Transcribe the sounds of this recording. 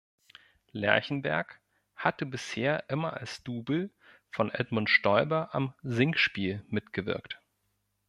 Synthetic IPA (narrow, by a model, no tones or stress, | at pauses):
lɛ̰ɐçn̩bɛ̰ɐk | hatəbɪsheːɐʔɪmɐʔa̰lsd̥uːbl̩ | fɔnʔɛ̰dmʊntʃtɔʏbɐʔamzɪŋkʃpiːlmɪtɡ̥əvɪ̰ɐkt